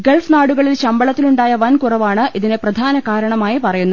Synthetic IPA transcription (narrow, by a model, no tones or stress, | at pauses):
ɡeɭfnaːɽuɣɐɭilɕɐmbɐɭɐt̪ːiluɳɖaːjɐʋɐnkurɐʋaːɳɨʔiðineprɐd̪ʱaːnɐkaːɾɐɳɐmaːjipɐrɐjunːu